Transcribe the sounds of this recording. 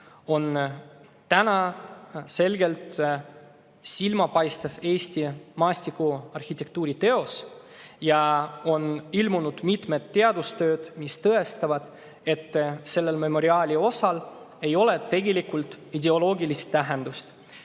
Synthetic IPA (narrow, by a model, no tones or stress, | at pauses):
o̞n | t̪ænɑ | se̞lɡe̞lt̪ | silmɑpɑjst̪eve̞ːsʲt̪ʲimɑːsʲt̪ikːuɑrxit̪ːe̞k̚t̪uːɾit̪e̞o̞s | jɑo̞nilmunud̪̥mit̪me̞t̪ːe̞ɑd̪ust̪ø̞ːd̪̥mist̪ɤe̞st̪ɑvɑd̪̥ | e̞t̪ːse̞lːe̞lme̞mo̞ɾiɑːlʲio̞sɑl | e̞jo̞le̞t̪e̞ɡelikult̪ˑ | id̪e̞o̞lo̞ːɡilist̪ːæɦend̪̥ust̪